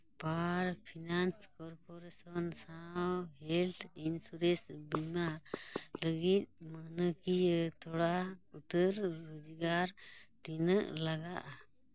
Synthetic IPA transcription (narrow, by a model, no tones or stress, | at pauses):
paɾpʰinanskɔɾpʰɔɾesɔnsawɦɛlt̪ʰinsuɾesbimaləɡit̪̚mənəkijət̪ɔɽaut̪əɾːud͡ʒiɡaɾt̪inəʔlaɡaʔa